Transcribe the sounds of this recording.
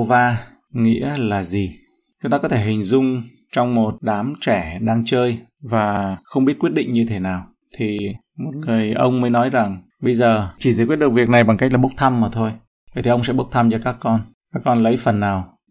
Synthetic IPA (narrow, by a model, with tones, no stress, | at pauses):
o˧vaː˧ | ŋḭ˧˥əlaː˨˩zi˨˩ | t͡ɕʊ˨˦ŋ͡mt̪aː˧kɔ˨˦t̪ʰe˧˩ɦï˨˩ŋ̟zʊ˧ŋ͡m | t͡ɕɔ˧wŋ͡mmo˨˩t̚ɗaː˨˦mt͡ɕɛ˧˩ɗaː˧ŋt͡ɕəː˧jvaː˨˩xə˧wŋ͡mɓi˦˥ət̚kwt̚ɗḭ˧˨ŋ̟ɲɨ˧t̪ʰe˨˦naː˨˩w | t̪ʰi˨˩ | mo˨˩t̚ŋɨ˨˩əjʔə̰˧wŋ͡mməː˨˦jnɔ˨˦jza˨˩ŋ | ɓə˧jzəː˨˩t͡ɕi˧˩zəː˨˦kwt̚ɗk̚vi˨˩ək̚na˨˩jɓa˨˩ŋka˦˥k̚laː˨˩ɓk͡p̚t̪ʰa˧mːaː˨˩t̪ʰo˧j | a˧˩jt̪ʰi˨˩ə˧wŋ͡msɛ̰˧˥ɓə˦˥wk͡p̚t̪ʰa˧mt͡ɕɔ˧kaː˦˥kːɔ˧n | kaː˦˥kːɔ˧nlə˨˦jfə˨˩nːaː˨˩w